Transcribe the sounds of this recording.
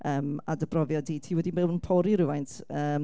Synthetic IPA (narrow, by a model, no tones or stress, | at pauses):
əːma̰dəbrɔvjɔdiːtʰiːwɛdimɛwnnpʰɔɾiɾɪwajntʰəː